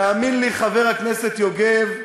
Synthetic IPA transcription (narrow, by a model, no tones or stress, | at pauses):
aːminliχave̞ʁhakneset̪joɡev